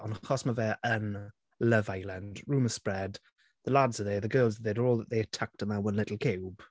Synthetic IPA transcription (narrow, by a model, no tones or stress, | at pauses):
ɔnχɔsməvɛʔən | ləvaɪlˠənd̥ɹuːməspɹɛd | ðəladzəðeðəɡɜːlˠzəðɛdəɔːlˠðəʔðejətʰak̚tə̃nðəwə̃nlɪtˡl̩ˠkʰewb̥